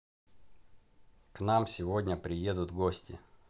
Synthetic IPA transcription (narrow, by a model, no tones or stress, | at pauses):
knamsʲɪvo̞dʲnʲəpɾʲɪje̞d̪ʊt̪ɡosʲtʲɪ̰